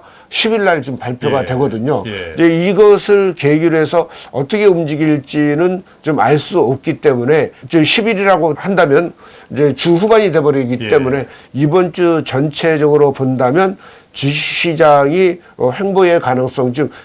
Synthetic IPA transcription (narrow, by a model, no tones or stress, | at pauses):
ɕʰibiɭːaɾt͡ɕompaɭpʰjoɡadwe̞ɡʌdɯɲoid͡ʑe̞iɡʌsʰɯɭkeɡuɾɦe̞sʰʌʌt͈ʌkʰe̞umd͡ʑiɡiɭt͡ɕ͈inɯn | t͡ɕoma̰ɭs͈uʌp̚k͈it͈e̞mune̞t͡ɕɯɕʰibiɾiɾaɡohandamjʌn | id͡ʑe̞t͡ɕuɸubaɲide̞bʌɾʌɡit͈e̞mune̞ibʌnt͡ɕ͈ut͡ɕʌnt͡ɕʰe̞d͡ʑʌɡɯɾopondamjʌn | t͡ɕiɕʰid͡ʑaŋi | ʌɸe̞ŋboe̞kanɯŋs͈ʌŋt͡ɕɯk